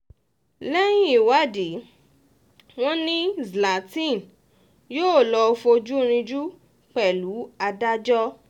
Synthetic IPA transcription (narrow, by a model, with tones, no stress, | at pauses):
lɛ˦j̃ĩ˦i˨wa˦˨di˨˦ | w̃ɔ̃˦nĩ˦zla˨tĩ˦˨n | joː˦˨lɔ˧fo˧d͡ʒu˦ɾ̃ĩ˧d͡ʒu˦ | k͡pɛ˨lu˨˦a˧da˦d͡ʒɔ˦